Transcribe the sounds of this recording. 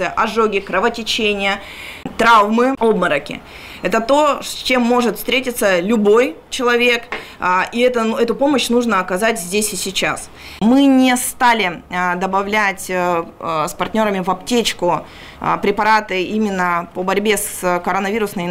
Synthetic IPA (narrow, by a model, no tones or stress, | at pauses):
ɨjʔɐʐoɡʲɪkɾəvətʲɪt͡ɕenʲɪjə | t̪ɾavmɨo̞bməɾəkʲɪ̰ | ɛt̪ət̪o̞sʲt͡ɕe̞mːo̞ʐɨt̪fst̪ʲɾʲetʲɪt̪səlʲʊbo̞j | t͡ɕɪlˠɐvʲe̞kː | iɛt̪əɛt̪ʊpo̞məɕnuʐnəɐkɐzatʲzʲdʲesʲɪsʲɪt͡ɕa̰s | mɨnʲɪst̪alʲɪd̪əbɐvlʲætʲ | spɐrtʲnʲo̞ɾəmʲɪvɐp̚tʲet͡ɕkʊ | pɾʲɪpɐɾat̪ɨimʲɪnːəpəbɐɾʲbʲeskəɾonɐvʲiɾʊsnəj